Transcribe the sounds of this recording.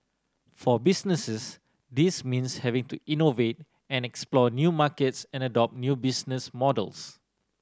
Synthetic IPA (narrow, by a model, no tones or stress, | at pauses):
fɔbisnəsəs | dismĩnshɛvĩŋtuʔinovet̚ | ɛ̃nɛksplɔnjumakətsɛ̃nədɔp̚njubisnəsmɔdə̰ls